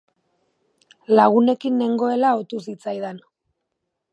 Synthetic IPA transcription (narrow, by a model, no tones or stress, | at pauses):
laɣ̞une̞kinːe̞ŋɡo̞e̞laot̪usit͡sajðen